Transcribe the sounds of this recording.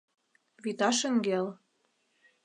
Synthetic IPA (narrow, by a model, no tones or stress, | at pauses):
βit̪ɑʃɘ̆ŋɡel